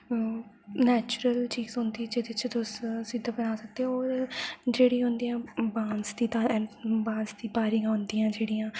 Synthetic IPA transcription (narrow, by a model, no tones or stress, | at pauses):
nɛːt͡ʃʊɾəlt͡ʃiːɡzɦõnd̪iːd͡ʒed̪ɪt͡ʃt̪ʊssiːd̪ãːbənaːsək̚d̪eɔːɾd͡ʒeːɽĩɦõnd̪ijãːbãːnsd̪iːt̪ãːɛbãːnsd̪iːbaːɾɪãːɦʊ̃nd̪ijãːd͡ʒeːɽijãː